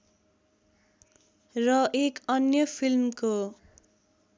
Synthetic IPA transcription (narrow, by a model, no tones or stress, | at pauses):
rʌʔekʌnjʌpʰilmko